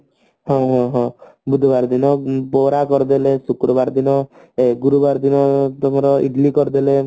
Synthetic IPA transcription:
ɦɔ̃ɦɔ̃ɦɔ̃bud̪ʱbaɾd̪inɔpoɾakɔɾd̪elesukɾɔbaɾd̪inɔ | eɡuɾubaɾd̪inɔt̪ɔmɔɾɔḭɖlikɔɾd̪ele

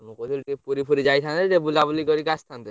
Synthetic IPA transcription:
nukot̪ʰilʈepuɾipʰuɾid͡ʑajt̪ʰant̪eʈebulabulikɔɾikast̪ʰant̪e

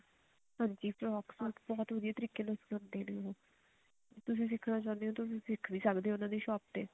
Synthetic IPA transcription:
ɦãːɲd͡ʒiːpɾɔːksɔːlʈbɔːt̪ʋəd̪ɪjeːt̪əɾiːkːeːnəskə̃nd̪eːneːoɦõː | t̪ʊsĩːs̬ɪkʰnaːt͡ʃãːnd̪eːɦõːt̪ʊsĩːsɪkʰːʋĩːsəkd̪eːʊnãːd̪eːʃɔːp̚t̪eː

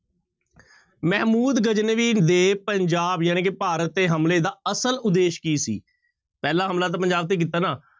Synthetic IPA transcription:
mɛːmuːd̪ɡəd͡ʒnəʋiːd̪eːpəɲd͡ʒaːbjaːñẽːkepaːɾət̪ːeːɦəmleːd̪aːəsəlʊd̪eːʃkiːsḭː | pɛːlaːɦəmlaːt̪̬aːpəɲd͡ʒaːb̚t̪eːk̬iːt̪aːnaː

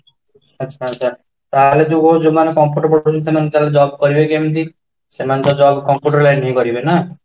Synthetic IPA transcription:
ʌtːt͡ʃʰaʌtːt͡ʃʰa | t̪aɦled̪uɡod͡ʒomanekɔmpjuʈɔɾpɔʈut͡ʃʰunsemant̪aaled͡ʒɔbkɔɾibekemnt̪i | semant̪ɔd͡ʒɔbkɔmpjuʈɔɾlajnɦĩkɔɾibena

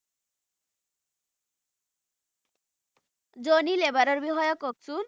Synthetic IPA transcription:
d͡ʑonilebaɾoɾbiɦɔjokok̚sun

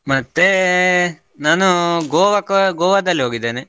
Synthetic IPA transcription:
mɐt̪ːe | naːnuɡoːʋɐkɐɡɔːʋɐd̪ɐlːiɦo̞ːɡid̪ːeːne

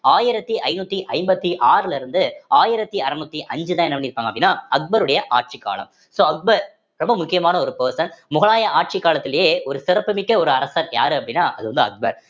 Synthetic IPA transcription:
aːjɪɾɐt̪ːiʔɐɪnuːt̪ːiʔɐɪmbɐt̪ːiʔaːɾɪlɪɾɯnd̪ɯaːjɪɾɐt̪ːiɐɾɐnuːt̪ːiʔɐɲd͡ʒɯðãːɛnɐʋɐɳiɪɾɯpːaːŋɡɐpːɽɪnːaːɐk̚bɐɾɯɽɐjɐʔa̰ːʈ̚t͡ʃikːa̰ːɭɐ̰m | soːɐk̚bɐɾ | ɾɔmbɐmʊkːɪjɐmaːnɐɔɾɯpeːsɐnmʊɣɐɭaːjɐaːʈ̚t͡ʃɪkːaːlɐt̪ːɪlɐjeːɔɾɯsɪrɐpːɯmɪkːɐɔɾɯɐɾɐsɐːɾja̰ːɾɯɐpːɐɽɪnːaːʔɐðɯʋɐnd̪ɯɐ̰k̚bɐ̰ɾ

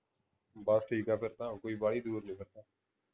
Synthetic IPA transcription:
basʈʰiːkaːpʰəɾt̪aːokoːiːbaːɽiːd̪uːɾnĩːpəɾt̪aː

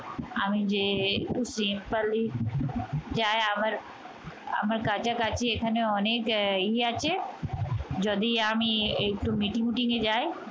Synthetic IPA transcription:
amĩd͡ʒeusimpəli | d͡ʒaːeaməɾ | ə̰məɾkaːt͡ʃakat͡ʃiekʰəneɔneːkiat͡ʃe | d͡ʒɔd̪iamĩek̚ʈomiʈiŋmiʈĩŋɡed͡ʒaːe

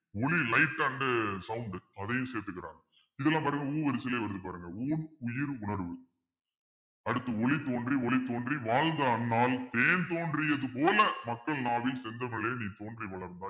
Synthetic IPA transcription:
ɔɭilɐɪʈːɐɳɖɐsɐwʊɳɖɐðɐjɯ̃mseːɾt̪ɯkːɪɾa̰ːŋɡɐ | ɪðɛlːãːpaːɾɯŋɡɐuːʋɐɾɪsɪleːʋɐɾɯðɯpaːɾɯŋɡɐuːnʊjɪɾʊɳɐɾʋɯ | ɐɽɯt̪ːɐɔɭit̪oːndriɔɭit̪ːoːndriʋaːɻnd̪ɐɐnːaːlt̪eːnt̪oːndrɪjɐðɯp̬oːlɐmɐkːɐɭnaːʋɪlsɛnd̪ɐŋɐɭeːniːt̪oːndriʋɐɭɐɾnd̪aː

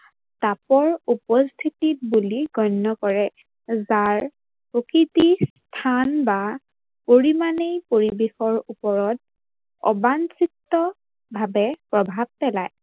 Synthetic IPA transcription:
tapɔɹupɔst̪ʰitit̚buliɡɔnːɔkɔɹɛ | zaɹ | pɹokɹitis | tʰanba | poɹimanejpoɹibexɔɹupɔɹɔt̚ | ɔ̰bansitːɔ | bʱabɛpɹɔbʱab̚pɛlaj

